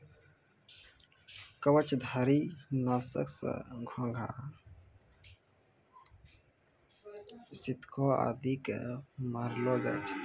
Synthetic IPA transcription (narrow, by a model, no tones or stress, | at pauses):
kəwət͡ʃd̪ʱəɾinasə̰ksə̰̃ɡʱɔ̃ŋɡʱa̰ | sit̪kʰoa̰d̪ʱikḛmaɾlɔd͡ʒa̰t͡ʃʰ